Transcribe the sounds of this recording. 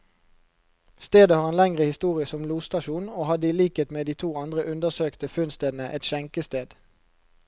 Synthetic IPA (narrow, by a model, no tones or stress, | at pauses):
st̪eːd̪əhɑːʁeːnlɛŋʁəhɪst̪uːʁɪəsɔmluːst̪ɑʃuːnoːhɑd̪əiːliːkeːt̪meːd̪iːt̪ʰuːɑnd̪ʁəʔʉnd̪əsøːkt̪əfʉnst̪eːd̪n̩əʔɛt̪ʃɛŋkəst̪eːd̪̥